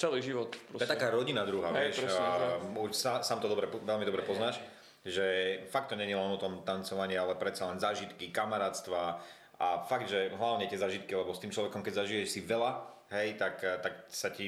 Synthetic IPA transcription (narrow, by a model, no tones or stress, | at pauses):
t͡sɛliʒiʋɔt̪ɾɔɛt̪akaːɾɔɟinad̪ɾuɦaːʋɪɛʃ | uʃsasaːmt̪ɔd̪ɔbɾɛʋɛlmid̪ɔbɾɛpɔznaːʃ | ʒɛfak̚t̪ːɔɲɛɲilɛnɔt̪ɔmt̪ant͡sɔʋaɲɪalɛpɾɛt̪t͡salɛnzaːʒit̪kikamaɾaːt̪st̪ʋa | afaɡd̪ʒɛɦlaʊɲɛt̪ɪɛzaːʒit̪̚kilɛbɔst̪iːmt͡ʃlɔʋɛkɔmkɛɟzaʒijɛʃsiʋɛla | ɦɛjt̪akt̪aksaci